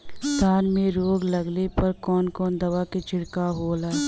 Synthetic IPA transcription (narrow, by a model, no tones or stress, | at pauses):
st̪ʰaːnmẽɾoːɡlɐɡlepɐɾkɔːnkɔːnd̪ɐʋaket͡ʃʰɪɽkaɦoːlaːe